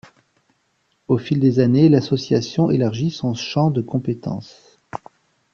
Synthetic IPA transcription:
ofild̪ezanelasɔsjasjɔ̃ʔelaʁʒisɔ̃ʃɑ̃d̪əkɔ̃pet̪ɑ̰̃s

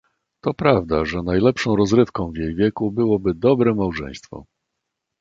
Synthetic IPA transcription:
t̪ɔpɾavd̪aʐɛnajlɛpʂɔ̃w̃ɾɔzɾɘfkɔ̃w̃vjejvʲjɛkubɘwɔbɘd̪ɔbɾɛmawʐɛ̰j̃st̪fɔ̰

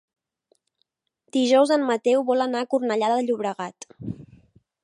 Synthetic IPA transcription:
d̪iʒɔwzəmmət̪ɛwβɔlənaːkurnəʎaðəðəʎuβɾəɣat̪

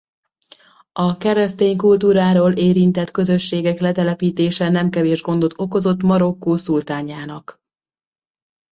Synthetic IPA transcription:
ɒkɛɾɛst̪eːɲkult̪uːɾaːɾoːlʔeːɾint̪ɛt̪kø̞zø̞ʃːeːɡɛklɛt̪ɛlɛpiːt̪eːʃɛnɛmkɛveːʒɡo̞nd̪o̞t̪ːo̞ko̞zo̞t̪mɒɾo̞kːoːsult̪aːɲaːnɒk

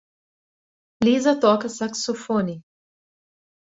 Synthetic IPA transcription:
liːzɐt̪ɔːkəsaksofoni

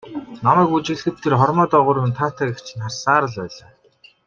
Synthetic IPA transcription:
namæːkut͡ɕɪ̆ɮxɘ̆t̪ʰːerχɔrmɔːt̪ɔːʁʊɾʊ̆nt̪ʰaːt̪ʰakekt͡ɕʰɪ̆narsaːɾə̆ɮpæːɮaː

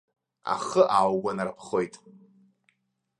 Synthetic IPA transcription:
a̰χəʔawɡʷanarpʰχojtʼ

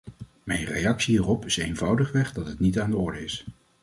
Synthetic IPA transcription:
mɛjnrejɑksiɦiːrɔpɪsejnvʌwdəχʋɛχdɑtɦətnitaːndəɔɹdəɪs

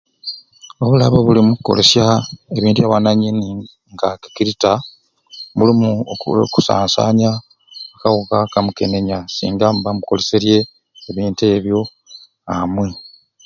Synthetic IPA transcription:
o̞βula̰βoβulimuko̞̰le̞sjae̞βiːntuaβanaɲini | ŋɡaki̥kiɾita | mulimuku̥sa̰ːnsa̰ːɲa | akawukakamuke̞ne̞ɲasḭːŋɡamβamuko̞̰le̞seɾje̞ː | βiːnte̞ːβjo̞ | amwe

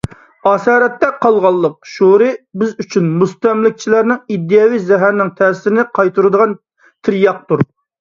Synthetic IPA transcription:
ɑːsɑːɾɛt̪ːɛqʰɑlˠʁɑlˠːəq̚ʃuɾɨbɪzyt͡ʃʰynmust̪ɛmlɪk̚ʲt͡ʃʰilæɾnɪŋid̪ːɨjɑwijzɛɦæɾnɪŋt̪ʰɛsɪɪnɪqʰɑjt̪ʰuɾɨd̪əʁɑn | t̪ʰɪɾjɑq̚t̪uɾ

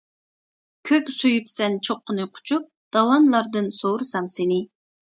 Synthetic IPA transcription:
kʲʰøkʲsujypsɛnt͡ʃʰoqːənɨqʰʊ̥t͡ʃʰup̚d̪̥ɑwɑnlˠɑɾd̪ɨnsoɾɨsɑmsenɪ

